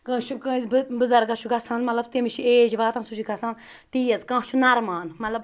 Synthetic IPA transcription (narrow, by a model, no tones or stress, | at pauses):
kɐ̃ʃʰukɨ̃zbbɨzɐɾɡɐʃʰuɡɐsaːnmɐt̪lɐbt̪imiʃʰieːd͡ʒʋaːt̪ɐnsut͡ʃiɡɐsãːnt̪iːjɐzkãːt͡ʃʰunɐɾmaːnmɐt̪lɐb